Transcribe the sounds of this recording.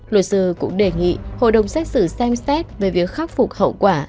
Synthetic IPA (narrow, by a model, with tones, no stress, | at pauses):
lu˨˩t̚sɨ˧˩kʊ̰˧˥ŋ͡mɗe˨˩ŋḭ˧˨ho̰˧˨jɗə˨˩wŋ͡msɛ˦˥t̚sɨ˧˩sɛ˧msɛ˦˥t̚ve˨˩vi˨˩ək̚xa˦˥k̚fu˨˩k͡p̚hə̰˧˨wkwaː˧˩